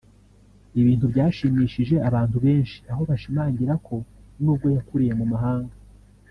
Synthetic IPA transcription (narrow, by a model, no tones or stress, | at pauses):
iβiːnhubɟaːʃiːmiːʃiʒe̞aβaːntuβe̞ːnʃi̥aɦo̞βaʃimaːɲɟiɾakʰo̞nuːb̚ɡo̞jakuɾije̞mumaɦaːŋɡa